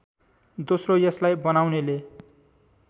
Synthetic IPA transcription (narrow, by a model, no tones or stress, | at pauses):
d̪osrojʌslajbʌnawnele